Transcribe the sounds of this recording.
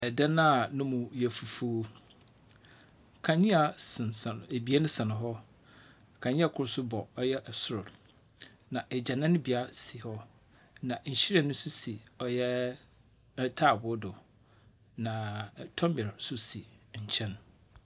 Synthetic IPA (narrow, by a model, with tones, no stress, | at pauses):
ɛ˨dã˦nã˦˨nʊ̃˦mũ˨jɛ˨fu˨fu˨˦ | kʰã˨ɲɪ̃˦a˨sɪ̃˨n˨sa˨n˨e˨bi˨˦a˦nʊ̃˦sã˨nʊ̃˨ɦɔ˦ | kʰã˨ɲɪ̃˦a˨kʰʊ˦ɾʊ˦sʊ˦bɔ˨ɔ˦jɛ˦ʔɛ˨sʊ˦ɾʊ˨d | nã˨ʔɛ˨d͡ʑa˨nã˦nʊ̃˦bi˨a˦si˨hɔ˦ | nã˨ɲ̩˨ɕi˦ɾa˨nʊ̃˦sʊ˦si˨ɔ˨jɛ˦ | tʰaː˦˨bʊ˨˦dʊ˨ | nã˨tʰɔ̃˦mbɪ˨ɾsʊ˦si˨ɲ̩˨t͡ɕʰɛ̃˦n